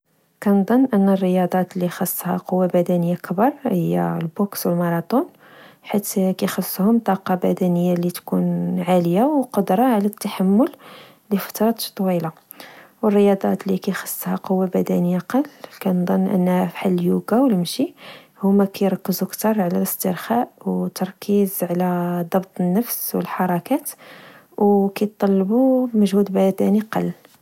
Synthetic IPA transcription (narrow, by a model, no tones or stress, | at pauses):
kænd̪ˤənːʔənːərːəjɑd̪ˤɑt̪lixɑsˤːhæ̰qowːabæd̪ænəjːakbɑɾˤhəjːæ̰lbokswəlmɑɾˤɑt̪ˤun | ħit̪kæjxəsˤːhʊmt̪ˤɑqɑbæd̪ænəjːalit̪kunʕaləjawqʊd̪ɾˤɑʕlæt̪ːaħamːʊl | lifɑ̥t̪ɾˤɑt̪t̪ˤːwila | wərːəjɑd̪ˤɑ̰t̪likæjxɑ̥sˤːhæqowːabæd̪ænəjːaqɑlːkænd̪ˤɑnːʔə̰nːhæfħalːljuɡawəlmʃi | hʊmːækæjɾˤɑkːəzukt̪ɑɾˤʕlæləst̪əɾxaʔwt̪ɑɾˤkizʕlæd̪ˤɑbt̪ˤənːəfswə̰lħɑɾˤɑkæt̪ | wkæjt̪ˤːɑlːbuməʒhud̪bæd̪æniqɑ̰lː